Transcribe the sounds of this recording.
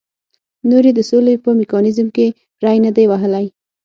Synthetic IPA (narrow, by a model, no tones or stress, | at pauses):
noɾed̪əsolepəmɪkɑnɪzmke | ɾajnəd̪ajwaɦəlaj